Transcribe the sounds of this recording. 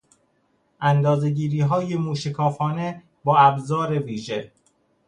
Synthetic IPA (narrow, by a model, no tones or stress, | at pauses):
ʔænd̪ɒːze̞ɟiːɾiːɦɒːjemuːʃekʰɒːfɒːne | bɒːæbzɒːɾe̞viːʒe